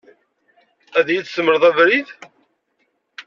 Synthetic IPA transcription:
æðjiθsəmːəɾðˤævɾið

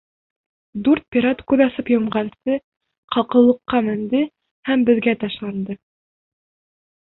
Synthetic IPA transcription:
d̪uɾt̪̚pʲiɾat̪kʉðɑsɤpjŏmʁɑnsɤ | qʰɑqɤ̆lˠɤ̆qːɑmɘ̆nd̪ɘ | hæmbɘ̆ðɡæt̪ɑʃlˠɑnd̪ɤ

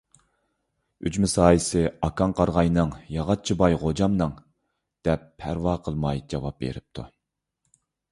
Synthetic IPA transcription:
y̰d͡ʒmɪsɑːjisɪɑkʰɑŋqʰɑɾʁɑjnɨŋjɑʁɑt̪̚t͡ʃʰibɑjʁod͡ʒɑmnɨŋ | d̪̥ɛpʰːæɾvɑːqʰəlˠmɑjd͡ʒɑvɑp̚bḛɾɪp̚t̪ʰu

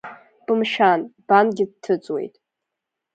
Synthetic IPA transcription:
pʼɨmʃanb̥anɡʲɪd̚tʰɨt͡sʼwḛjtʼ

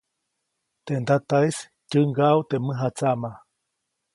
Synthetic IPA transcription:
t̪end̪at̪aes | cɨŋɡaut̪emɨɦat͡sama

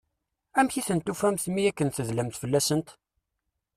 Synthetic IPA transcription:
æmçiθənt̪ːufæmθmijækːənθəzlæmθfəlːæsənt̪

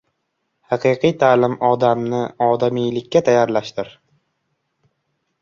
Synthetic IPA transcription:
hɑqʰɨqʰɨjt̪ʰaːlɪmɒd̪amnɪɒd̪amijlɪkʲːat̪ʰajaɾlaʃt̪ɪɾ

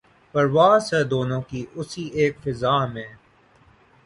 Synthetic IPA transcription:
pɐɾʋaːzɦɛːd̪oːnõːkiʔʊsieːkfɪzaːmẽː

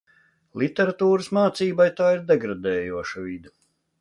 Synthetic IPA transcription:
lˠit̪ʲɛɾat̪uːɾɨsmaːt̪siːbajt̪aːiɾd̪ɛɡɾad̪ɛːjuɔʃɐvid̪u

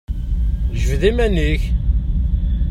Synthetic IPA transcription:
ʒəvðimæniç

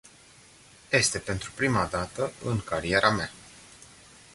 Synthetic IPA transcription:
je̞st̪e̞pe̞nt̪ɾupɾimad̪at̪əɨŋkaɾie̞ɾʔamea

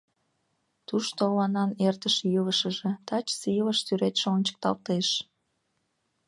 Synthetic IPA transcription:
t̪uʃt̪olɑnɑnert̪əʃjuləʃəʒet̪ɑt͡ɕsiləʃsyɾet̪ʃonʲt͡ɕə̥k̚t̪ɑ̰lt̪eʃ

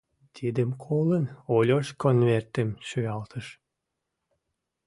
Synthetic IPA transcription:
t̪ʰid̪ə̆mkʰolənolʲoʃkonvert̪ə̆mʃøjɑlt̪ʰəʃ

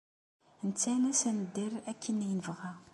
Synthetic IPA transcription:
nt͡sːænæsænəd̪ːiɾækʰːənjnəvʁæ

